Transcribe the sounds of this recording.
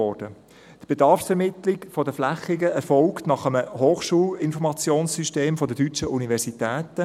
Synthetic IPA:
ɔd̥ə | d̥b̥edɑɾfsɛɾmɪt̪lɪkfɔdəflæχɪɡəɛɾfɔlktnɑχəməhoːχʃuːlɪnfɔɾmɑt͡sjoːnssyʃteːmfɔdədyt͡ʃəʔunivɛɾsitɛːtə

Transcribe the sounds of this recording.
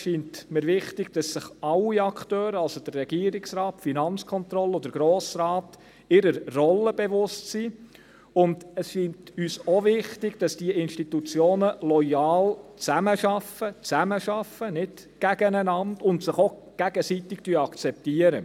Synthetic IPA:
ʃiːntmɪɾʋɪχtɪɡd̥ɑsːɪχɑliɑkʰtøːɾəɑlsod̥ərːɛɡ̥iːəɾɪksɾɑːtfinɑnt͡skʰɔnt̪ɾɔlːəɔd̥əɾɡ̥ɾoːsɾɑːt | ɪɾəɾːɔlːəb̥ɛʋʊstsi | ʊndəsʃiːntyːsɔvɪχtɪɡd̥ɑsd̥iəɪnʃtit̪ut͡sjoːnəlɔjɑːlt͡sæməʃɑfət͡sæməʃɑfənɪd | ɡ̥æɡ̥ənænɑndʊntsɪχo | ɡ̥æɡəsit̪ɪktyəɑkt͡sɛp̚tiəɾə

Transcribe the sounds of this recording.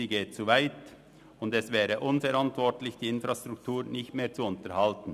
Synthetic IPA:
iːɡeːt̚t͡sovaɪt | ʊndɛsvɛːʁəʔʊnfɛʁɾantv̥ɔʁtlɪçd̥iːɪnfɾastʁ̥ʊk̚tʰuːʁnɪçtmeːɐt͡suʊntəʁhaltn̩

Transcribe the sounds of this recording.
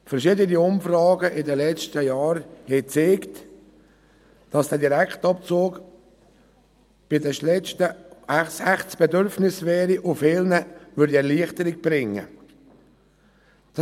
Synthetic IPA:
fɛɾʃiːdəniʊmfrɑːɡəʔɪdəlɛt͡ʃtəjɑːɾhɛt͡seːkt | d̥ɑsd̥ɛːdiɾæktɑp̚t͡soːɡ | b̥ɪdɛlɛt͡ʃtəsɛχtsb̥ɛdʏɾfnɪsvɛːɾiʔʊfɪlnəʋʏɾdiɛɾliəχtəɾɪk̚b̥ɾɪŋːə̰ | d̥ɑ

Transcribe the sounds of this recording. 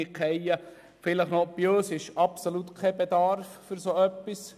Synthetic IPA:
ɪkʰɛjə | fɪləχnopjøːsɪʃɑpsolut̪kʰɛbed̪ɑɾffəɾsoœpːis

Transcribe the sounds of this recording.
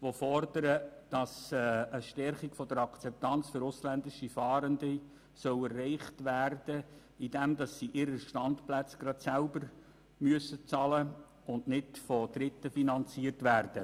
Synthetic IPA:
ʋofɔrdəɾəd̥ɑsəʃtɛrχikfɔd̪əɾɑkt͡sɛp̚t̪ɑnt͡sfʏɾʊslændɪʃifɑːɾəndi | sœwɛrːɛɪχtʋæːrd̥ə | idɛmdɑsːiʔɪɾəʃtɑnt̪plæt͡sɡ̥ɾɑt̪sælbəɾ | myəsət͡sɑlə | ʊnnɪtfɔd̪ɾɪt̪ːəfinɑnt͡siərtʋæːrd̥ə

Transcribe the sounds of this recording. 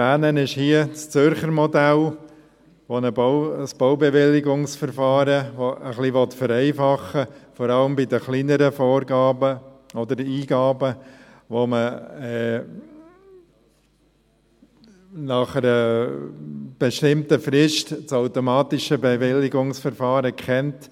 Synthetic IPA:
æːnənɪʃhiəst͡sʏɾχəɾmɔdæl | ʋonəbəsb̥ɔʊbɛʋɪlɪɡʊŋsfəɾfɑːɾəʋoʔəχliʋɔtfəɾɛɪfɑχːəfɔɾɑləmbidəχlinəɾəfɔːɾɡɑːbəɔd̪əɾiːɡɑːbə | ʋoməɛ | nɑχəɾə | b̥eʃtɪmtəfɾɪʃtt͡saʊtomɑːtɪʃəbɛvɪlɪɡʊŋsfəɾfɑːɾəkχɛnt

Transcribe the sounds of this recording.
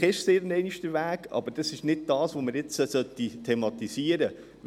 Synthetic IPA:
χɪʃseːɾənɛɪniʃtəʋæːɡɑ̰b̥əɾd̥ɑsɪʃnɪd̚d̥ɑːsʋomɪɾjɪt͡səsœt̪ːitʰɛmɑt̪isiːəɾə

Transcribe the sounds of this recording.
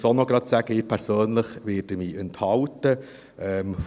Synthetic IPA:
sonɔɡɾɑt̪sæɡ̥əɪpʰæɾsøːnləχʋɪːdəmiːɛnthɑwtə | ʔɛm

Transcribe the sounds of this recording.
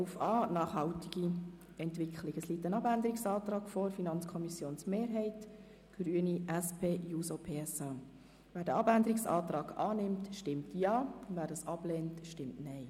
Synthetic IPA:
ufɑːnɑːχhɑltɪɡ̥i | ɛntʋɪkχlɪɡəslitːənɑbænd̪əɾɪksɑːtɾɑːɡ̥fɔɾfinɑnt͡skʰɔmisjoːnsmeːɾɦɛɪt | ɡ̥ɾyəniʔæspʰeːjuːsopʰeːɛsɑː | ʋæːɾdəɑbændəɾɪksɑ̰ːtɾɑːɡɑːnɪmtʃtɪmtjɑːʊndvæːɾdɑːsɑb̥lɛːntʃtɪmtnɛɪ

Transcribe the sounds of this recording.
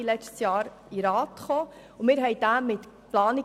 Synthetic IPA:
ilɛt͡ʃtsjɑːɾ | iɾɑːt̪χoː | ʊmɪːɾɦɛɪd̥æmɪt | plɑːni

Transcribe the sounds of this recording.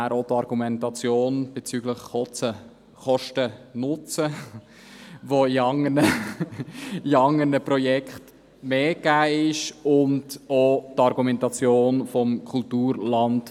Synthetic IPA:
æɾotɑɾɡ̥umɛntɑt͡sjoːnb̥et͡syːɡləχɔt͡sə | χɔʃtənʊt͡sə | ʋoiɑŋənə | iɑŋːənəprɔjɛkχt | meːɡæːɪʃʊntotɑɾɡumɛntɑt͡sjoːnfɔmkʰʊltuːɾlɑnd

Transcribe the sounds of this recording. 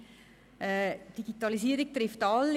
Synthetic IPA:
ɛːd̥iɡ̥itɑlisiːəɾik̚tɾɪftɑlː

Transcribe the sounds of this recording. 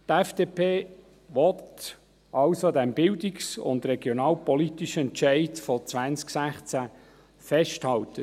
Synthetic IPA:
t̪ɛfd̥eːpʰeː | ʋɔt | ʔɑlsodɛmbɪldɪksʊ̰nd̪rɛɡjonɑːlpɔlitiʃəɛnt͡ʃæɪdfɔt͡sʋænt͡sksæχt͡sæ | fɛʃthɑltə

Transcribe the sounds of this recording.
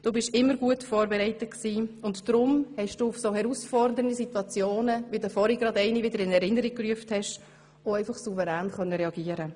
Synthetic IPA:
d̥uːbɪʃɪmːəɾɡuətfoːɾbɛɾɛɪtətksiːʊntd̥ɾʊmhɛʃd̥uːufsoːhɛɾusfɔɾdəɾəndisitwɑt͡sjoːnəʋidəfɔɾiɡ̥ɾɑdɛɪnivɪdəɾɪnɛɾɪnəɾik̚kːryəfthɛʃ | oɛɪfɑχsuvəɾæːnχœnːəɾɛɑɡ̥iəɾə

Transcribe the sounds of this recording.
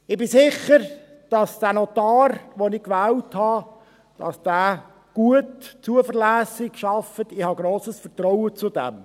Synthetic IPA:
ɪbɪsɪχəɾ | d̥ɑsd̥æːnɔt̪ɑːɾʋonɪkʋæːwthɑ | d̥ɑ̰sd̥æː | ɡ̥uətt͡suəfəɾlæːsɪkʃɑfət̪ɪhɑɡɾoːsəsfəɾtɾɔwət͡sʊd̥ɛ̰m

